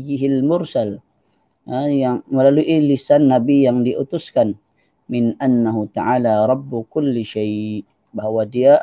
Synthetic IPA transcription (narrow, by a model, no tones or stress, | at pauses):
jɪɦɪlmʊɾsal | jaŋməlaluʔilisanːabijaŋdiʔut̪ʊskan | mɪnʔanːaɦut̪aʕaːlaɾˤɑbːukʊlːʃajʔ | baɦwadia